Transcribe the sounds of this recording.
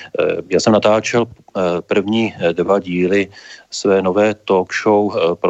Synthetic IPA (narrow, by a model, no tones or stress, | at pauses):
jaːsɛmnat̪aːt͡ʃɛlpr̩vɲiːdvaɟiːlɪsvɛːnovɛːt̪okʃowpɾ